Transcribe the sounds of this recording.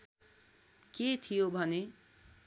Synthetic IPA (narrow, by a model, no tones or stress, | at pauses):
ket̪ʰijobʱʌne